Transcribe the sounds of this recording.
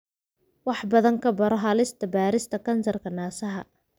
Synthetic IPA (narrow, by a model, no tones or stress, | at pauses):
wɑħbɐðɐŋkʰɐbɐɾɔɦalɪst̪ʰɐbaːɾɪst̪ʰɐkʰɐnsɐrkʰɐnaːsɐɦɐ̰